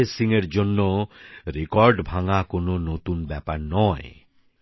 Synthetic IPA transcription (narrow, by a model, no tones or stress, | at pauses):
esiŋeɾd͡ʑonːoɾekɔɾɖbʱaŋakononot̪unbɛpaɾnɔe